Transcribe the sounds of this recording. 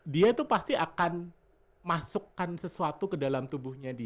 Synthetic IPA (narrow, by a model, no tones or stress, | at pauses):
diat̪upast̪iakan | masukːansəsuat̪ukədalamt̪ubuhɲadi